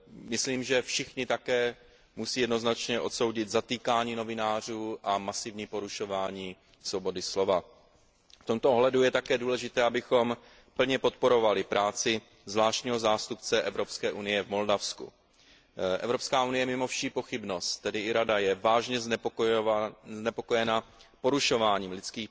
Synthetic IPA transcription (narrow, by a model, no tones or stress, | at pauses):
mɪsliːmʒɛfʃɪxɲɪt̪akɛː | musiːjɛdno̞znat͡ʃɲɛʔo̞̰t̪so̞wɟɪt̪zat̪iːkaːɲiːno̞vɪnaːr̝uːʔamasɪvɲiːpo̞ɾuʃo̞vaːɲiː | sobo̞dɪslo̞va | ft̪omt̪oʔoɦlɛdujɛt̪akɛːduːlɛʒɪt̪ɛːʔabɪxo̞m | pl̩ɲɛpot̪̚po̞ɾo̞valɪpɾaːt͡sɪ | zvlaːʃcɲiːɦo̞zaːst̪up̚t͡sɛʔɛvɾo̞pskɛːʔunɪjɛvmo̞ldafskṵ | ʔɛ̰vɾo̞pskaːʔunɪjɛmɪmo̞fʃiːpo̞xɪbno̞st̪ːɛdɪɪɾadajɛvaːʒɲɛz | znɛpo̞kojɛnapo̞ɾuʃo̞vaːɲiːmlɪt͡skiː